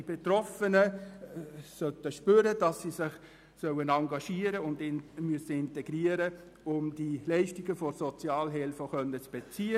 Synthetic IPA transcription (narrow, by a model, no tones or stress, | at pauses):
ib̥et̪rɔfənə | sœtəʃpøːɾəd̥ɑsːisɪχ | sœwənɑŋɡɑʃiəɾəʊndɪmyəsəɪnteɡ̥ɾiːəɾə | ʊmd̥ilɛɪʃtiɡəfɔɾsɔt͡sjɑːlɦɪlfəχœnːət͡sb̥et͡siːə